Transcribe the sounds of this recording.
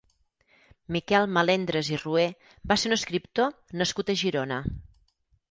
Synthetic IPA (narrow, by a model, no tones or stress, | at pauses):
mikɛlˠməlend̪ɾəzirue | baseɾunəskɾip̚t̪o | nəskut̪əʒiɾonə